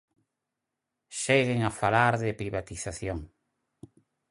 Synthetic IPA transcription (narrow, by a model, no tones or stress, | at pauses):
ʃeɣɪŋafalaɾðɪpɾiβat̪iθaθjoŋ